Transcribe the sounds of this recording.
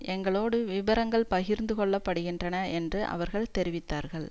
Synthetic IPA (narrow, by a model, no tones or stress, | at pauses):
ʔɛŋɡɐɭoːɽɯʋɪbɐɾɐŋɡɐɭpɐɣɪɾnd̪ɯkɔɭːɐpːɐɽɯɣɪndrɐnɐɛndrɯʔɐ̰ʋɐɾɣɐɭt̪ɛɾɪʋɪt̪ːaːɾɣɐɭ